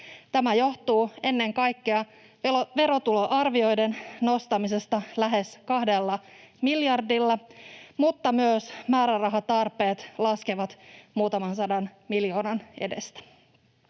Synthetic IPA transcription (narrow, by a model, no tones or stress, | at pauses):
t̪æmæjo̞ht̪uːe̞nːe̞ŋkɑjkːeɑ | ʋe̞ɾo̞t̪uloʔɑrʋio̞jdenno̞st̪ɑmise̞st̪ɑlæɦe̞skɑhde̞lːɑmiljɑrdilːɑmut̪ːɑmyøsmæːɾærɑɦɑt̪ɑrpe̞ːt̪lɑskeʋɑt̪muːt̪ɑmɑnsɑdɑnmiljo̞ːnɑnʔe̞̰de̞̰st̪æ̥